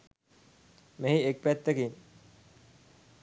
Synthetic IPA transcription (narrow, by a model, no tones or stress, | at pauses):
meɦiek̚pæt̪ːəkin